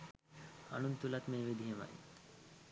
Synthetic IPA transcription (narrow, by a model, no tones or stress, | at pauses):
a̰nunt̪ulat̪meːʋid̪ʱiɦema̰j